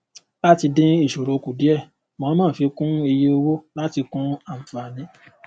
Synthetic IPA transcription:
la˦ti˧dĩ˧˦i˦˨ʃo˨ɾo˧ku˨di˨˦ɛ˦˨ | mã˨˦mãː˦˨˦fi˧kũ˦e˧je˦o˧wo˦la˦ti˧kũ˦a˦˨fa˨nĩ˨˧˦

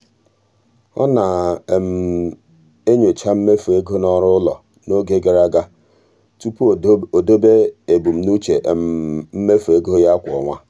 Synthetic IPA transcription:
ɔ̰˦na˨m̩˨ | e˦ɲo˨t͡ʃa˦m̩˦me˦fe˦ɡo˦nɔ˦ɾʊ˦lɔ̰˨ | no˦ɡe˦ɡe˨ɾa˦ɡa˦ | tu˦pu˦˨o˨do˦be˦e˨bu˨m̩˨nu˦t͡ʃe˨ʔm̩˨m̩˦me˦fu˨e˦ɡo˦o˦ja˦kʷʊ˨ɔ̰˨ŋʷa˦

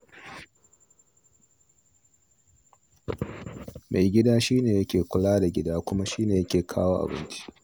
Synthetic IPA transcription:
mʔa˨jɡʲɪ˦daː˦ʃiː˦neː˨jɐ˦kʲeː˨kʷʊ˨laː˦da˨ɡʲɪ˦daː˦kʷʊ˦ma˦ʃiː˦neː˨jɐ˦kʲeː˨kʰa̰ː˦waː˦ʔa̰˨bɪ̰˦nt͡ʃi̥˦

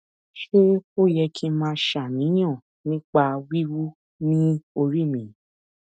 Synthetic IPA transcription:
ʃe˦ko˦˨jɛ˧kʰĩ˧˦mãː˦ʃa˨nĩ˨˦j̃ã˦˨ | nĩ˦k͡pa˧wi˦ɾu˦ | nĩ˦o˧ɾi˦˨mĩ˨

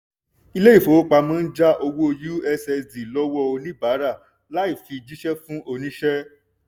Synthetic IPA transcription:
i˧le˦i˦˨fo˨˦k͡pa˧mɔ̃˦n̩˦d͡ʒa˦ʔo˧wo˦o˧ju˦ɛ˦sɛ˧di˨lɔ˦wɔ˦o˧nĩ˦baː˨˦ɾa˦˨ | la˨˦i˦˨fi˧d͡ʒi˦ʃɛ˦fũ˦ʔo˧nĩ˦ʃɛ˦

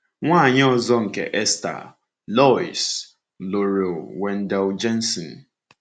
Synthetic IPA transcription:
ŋʷaː˦˨ɲɪ˦ɔ˨zɔ˦ŋ̩˨kḛ˨ʔe˦sta̰˨ | lɔ˦ḭ˨s | lo˨ɾe˨wɛ˨n̩˦dɛ˦ld͡ʒɛ˦n̩˦sɔ˨n̩˨

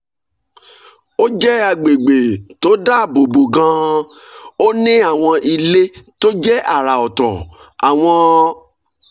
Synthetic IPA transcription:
o˦d͡ʒɛ˦a˧ɡ͡be˨ɡ͡be˨to˨˦da˦˨bo˨bo˨ɡã˧ | o˦nĩ˦a˦˨w̃ɔ̃˧ʔi˧le˦to˦d͡ʒɛ˦ʔa˨ɾa˨ɔ˨tɔ̰̃˨ | a˨w̃ɔ̃˧

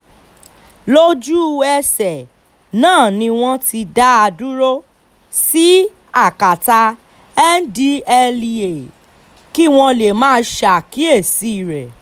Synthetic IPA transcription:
lo˦d͡ʒu˦˧ɛ˧sɛ˨ | nãː˦˨nĩ˧w̃ɔ̃˦ti˧da˦a˧du˦ɾo˦ | si˦ | a˦˨ka˨ta˧ | ɛ˦n˦di˦ɛ˧li˧e˨ | ki˦w̃ɔ̃˧le˨mãː˦˧˦ʃa˨ki˨˦e˦˨si˦i˦˨ɾɛ˨

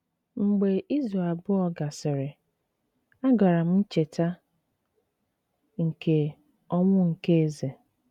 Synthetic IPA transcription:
ŋ͡m̩˨ɡ͡be˨ʔi˦zɾa˨e˨bʊ˦ɔ˦ɡa˨sɪ˨ɾɪ˨ | a˦ɡa˨ɾa˨m̩˦n̩˦t͡ʃe˨ta˦ | ŋ̩˨ke˨ | ɔ˦ŋʷʊ˦ŋ̩˨ke˦e˦ze˨

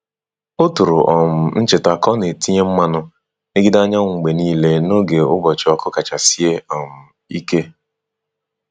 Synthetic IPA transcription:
o˦tu˨ɾʊ˨ʔɔ˨m̩˨n̩˦t͡ʃɪ˨ta˨kɔ˦ne˨ti˦ɲe˦m̩˦ma˦nʊ˦ | e˦ɡi˦da˦ɲa˦ŋŋ̩˨ɡ͡be˨niː˦le˦no˦ɡe˨ʊ˦bɔ˨t͡ʃɔ˦kʊ˦ka˨t͡ʃa˨si˦e˦ɔ˨m̩˨ | i˦ke˦

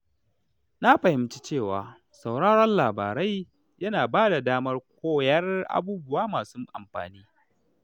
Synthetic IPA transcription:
na˦ɸɐ˨hɪ˦mt͡ʃi̥˦t͡ʃeː˦˨wa̰ː˨ | sa˨wɽaː˦ɾɔ˦nlaː˨baː˨ɾa˦j | jɐ˦naː˨baː˦da˨daː˦mɐ˦rk̚ʷʰoː˦jɐ˦rʔa̰˦buː˦bʊ˦waː˦maː˨su˦ʔa̰˨mɸa̰ː˨niː˦

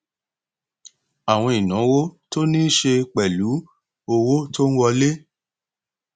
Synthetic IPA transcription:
a˨w̃ɔ̃˧i˨nã˨˦wo˦to˦nĩ˦ʃe˧k͡pɛ˨lu˨˦ | o˧wo˦to˦n̩˦wɔ˧le˦

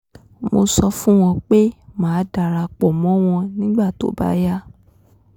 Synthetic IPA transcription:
mo˧sɔ˧fũ˦w̃ɔ̃˧k͡pe˦mãː˨˦da˧˨ɾa˧k͡pɔ˨mɔ̃˨˦w̃ɔ̃˧nĩ˦ɡ͡ba˦˨to̰˨˦ba̰˦ja˦

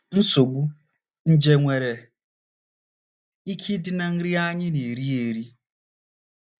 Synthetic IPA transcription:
n̩˦so˨ɡ͡bu˦ | n̩˦d͡ʒe˦ŋʷe˨ɾe˨ | i˦kʰi˦dɪ˦na˨n̩˦ɾi˦a˦ɲɪ˦ne˨ɾi˦e˨ɾi˦

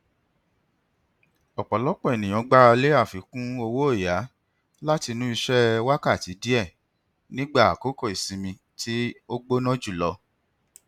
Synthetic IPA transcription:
ɔ˨k͡pɔ˨lɔ˨˦k͡pɔ̃˦˨e˨nĩ˨j̃ɔ̃˨˦ɡ͡ba˦ɾa˧le˦a˦˨fi˨kũ˦o˧wo˦e˦˨ja˨˦ | la˦ti˧nũ˦i˧ʃɛ˦wa˦ka˦˨ti˨˦di˦ɛ˦˨ | nĩ˦ɡ͡ba˦˨a˨ko˦kɔ˦˨i˨sĩ˨˧mĩ˧ | ti˦o˦ɡ͡bo˦nɔ̃˦d͡ʒu˦˨lɔ˧

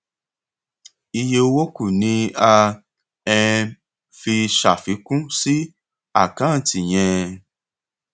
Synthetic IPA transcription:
i˧je˧o˧wo˦ku˦˨nĩ˨˦a˧ | ɛ̃˧ | fi˧ʃa̰˨fi˨˦kũ˦si˦ | a̰˦˨kã˨˦˨ti˨j̃ɛ̃˧

